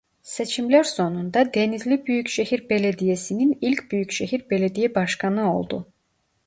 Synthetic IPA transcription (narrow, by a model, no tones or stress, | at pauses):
se̞t͡ʃʰimlæɾso̞nund̪ɑd̪e̞nizlibyjycʃehiɾbeled̪ijesininilʲcʰʲbyjycʃeɦiɾbeled̪ijɛbɑʃkɑnɯo̞̰lˠd̪ṵ